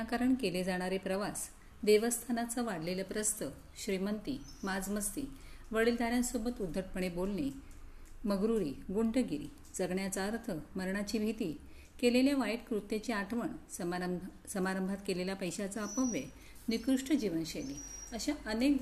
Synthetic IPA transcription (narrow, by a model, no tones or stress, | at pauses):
akaɾəɳkeled͡zaɽ̃aɾepɾəʋas | d̪eʋəst̪ʰanat͡saʋaɽleləpɾəst̪ə | ɕɾimənt̪i | mad͡zməst̪iːʋəɭiːld̪ʱaɾjãnsobət̪ud̪ʱːəʈ̚pəɳ̃ebolne | məɡɾuɾiːɡuɳʈəɡiɾḭː | d͡zəɡɳjat͡saəɾt̪ʰəməɾɳat͡ɕiːbʱit̪iː | keleljaʋajʈkɾut̪ːet͡ɕeaʈʰʋəɳ | səmaɾəmbʱat̪keleljapəjɕat͡saəpəʋje | nikɾuʂʈʰəd͡ʑiʋənɕeliəɕaʔənek̚